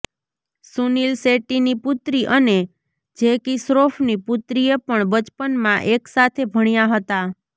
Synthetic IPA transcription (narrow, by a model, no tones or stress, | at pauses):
sunilseʈiniput̪ɾiʔəne | d͡ʒekisɾofniput̪ɾiepəɳbət͡ʃpənmãʔeksat̪ʰebʱəɽ̃jaɦət̪a